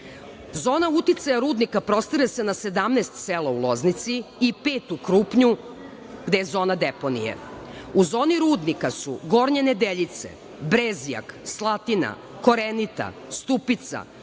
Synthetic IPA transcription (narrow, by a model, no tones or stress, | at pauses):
zo̞ːnaut̪it̪sajaɾuːd̪nikapɾo̞st̪iɾese̞nase̞d̪amnest̪selaulˠo̞znit̪siːpe̞ːt̪ukɾuːpɲu | ɡd̪e̞je̞zo̞ːnad̪epo̞nḭjḛuzo̞ːniɾuːd̪nikasuɡo̞ɾɲened̪eʎit̪se̞̰ | bɾezija̰kslˠat̪ina̰ | ko̞ɾenit̪a̰st̪upit̪sa̰